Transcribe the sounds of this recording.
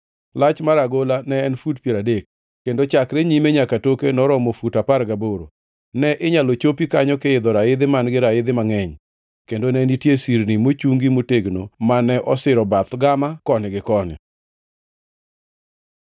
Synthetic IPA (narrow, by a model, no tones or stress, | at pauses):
lat͡ʃmaɾaɡolanɛːnfudpjeɾadek̚ː | endot͡ʃakɾɛɲimeɲakatokenɔɾɔmofutapaɾɡaboɾo̰ | nɛʔɪɲalot͡ʃopikaɲɔkɪɪd̪ɔɾaɪd̪ɪmanɡɪɾaɪd̪ɪmaŋɛɲ | kendonɛnitjesiɾnimot͡ʃuŋɡimoteɡnomanɛʔɔsɪɾɔbat̪ɡamakɔnɪɡɪkɔnɪ̰